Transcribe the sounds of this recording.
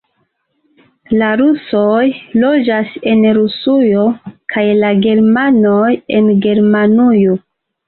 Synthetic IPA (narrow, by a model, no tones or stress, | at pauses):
laɾusojlo̞d͡ʒase̞nɾusujo̞kʰajlaɡe̞ɾmano̞je̞nɡe̞ɾmanujo